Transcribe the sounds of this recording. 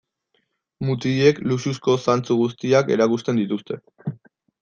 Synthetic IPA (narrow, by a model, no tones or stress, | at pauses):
mut̪ie̞klususko̞sant͡suɣus̬t̪iake̞̰ɾakust̪e̞nd̪it̪ust̪e̞